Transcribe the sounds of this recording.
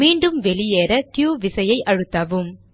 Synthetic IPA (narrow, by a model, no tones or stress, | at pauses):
miːɳɖɯmʋɛɭɪjeːɾɐt̪juːʋɪsɐjɐɪʔɐɻɯt̪ːaːʋɯm